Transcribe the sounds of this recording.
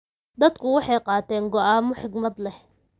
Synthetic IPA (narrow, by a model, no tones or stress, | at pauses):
d̪ɐd̪kʰʊwɑħɑjqɑːt̪ʰɛːŋɡɔʔaːmɔħɪɡmɐd̪lɛh